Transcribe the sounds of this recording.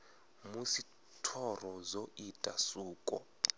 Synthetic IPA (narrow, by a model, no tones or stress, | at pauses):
musi | tʰɔrɔzoitʼasuːkʼɔ̰